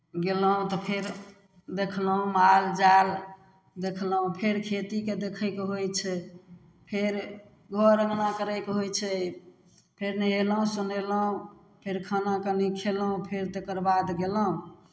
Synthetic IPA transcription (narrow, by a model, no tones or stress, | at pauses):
ɡeləɦũt̪ɔpʰeɾ | d̪ekʰlɦũmald͡ʒal | d̪ekʰlɦũpʰeɾkʰet̪iked̪ekʰəkɦojt͡ʃʰɛ | pʰeɾ | ɡʱɔɾəŋnakəɾəjkɦojt͡ʃʰɛ | pʰeɾnəeləɦũsunələɦũ | pʰeɾkʰənakənikʰelũpʰeɾt̪ekəɾbad̪ɡeləɦũ